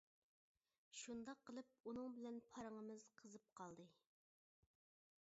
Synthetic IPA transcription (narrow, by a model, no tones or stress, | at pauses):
ʃund̪ɑqʰːəlˠɨp̚unɨŋbɪlɛnpʰɑɾəŋəmɨz̥qʰəzɨp̚qʰɑlˠd̪ɨ